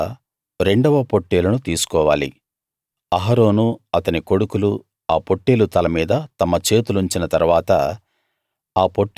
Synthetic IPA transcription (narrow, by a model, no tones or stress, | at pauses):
ɾe̞ɳɖɐʋɐpo̞ʈːeːlɐnut̪iːsu̥kɔːʋaːlḭ | ɐɦɐɾo̞ːnuɐt̪ɐniko̞ɽukulu | aːpo̞ʈːeːlut̪ɐlɐmiːd̪ɐt̪ɐmɐt͡ʃe̞ːt̪uluɲt͡ʃinɐt̪ɐɾuʋaːt̪ɐ | aːpo̞ʈː